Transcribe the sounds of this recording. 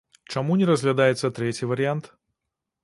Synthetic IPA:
t͡ʂɐmunʲɛɾəzʲɣlʲɐd̪ajɛt̪sɐt̪ɾʲɛt͡sʲivəɾʲɪant̪

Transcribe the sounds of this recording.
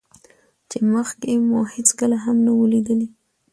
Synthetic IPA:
t͡ʃeməxkemʊhet͡skəlaɦamnawəlid̪əli

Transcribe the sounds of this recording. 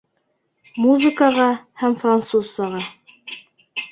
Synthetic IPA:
muzɨkɑʁɑhæmfrant̪susːɑʁɑ

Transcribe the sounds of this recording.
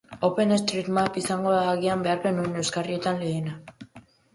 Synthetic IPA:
o̞pe̞ne̞st̪ɾit̪mapisaŋɡo̞ðaːɣ̞iambe̞aɾpe̞nue̞ne̞wskarie̞t̪anle̞ːna

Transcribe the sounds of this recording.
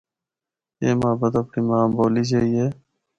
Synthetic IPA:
eːmaːbət̪əpnimaːmboːliːt͡ʃaːijeː

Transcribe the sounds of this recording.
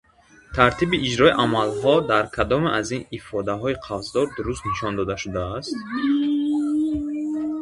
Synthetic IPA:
t̪ʰaɾt̪ʰibiʔːd͡ʒɾɔiʔamalɦɔd̪aɾkʰad̪ɔmeʔazinifɔd̪aɦɔiqʰavzd̪ɔɾd̪uɾust̪niʃɔnd̪ɔd̪aʃud̪aːst̪

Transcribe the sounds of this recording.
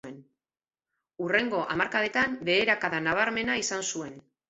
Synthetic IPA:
en | ure̞ŋɡo̞ʔa̰maɾkaðe̞t̪ambe̞ːɾakaðanaβ̞aɾme̞naisansue̞n

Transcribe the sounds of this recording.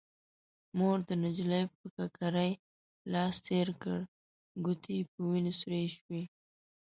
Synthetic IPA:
moɾd̪ənɪd͡ʒləjpəkakaɾəj | lɑst̪eɾkəɽ | ɡʊt̪ʰipəwinisuɾeʃwe

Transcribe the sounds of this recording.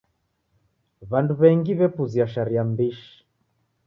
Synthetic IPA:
βanduβɛŋɡiβɛpuziaʃaɾiambiʃi̥

